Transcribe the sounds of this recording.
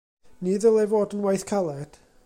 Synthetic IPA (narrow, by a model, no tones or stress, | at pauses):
niðəlˠɛvoːdənwajθkʰalˠɛd̥